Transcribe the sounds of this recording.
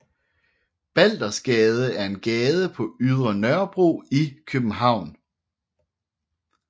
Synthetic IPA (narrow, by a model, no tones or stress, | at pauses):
b̥æl̰d̥ɐsɡ̥ɛːð̞ˠəæɐe̝nɡ̥ɛːð̞ˠəpʰɒ̽yð̞ˠʁɐnɶɐb̥ʁo̝̰ːikʰøb̥m̩ɦɑ̈ʊ̰n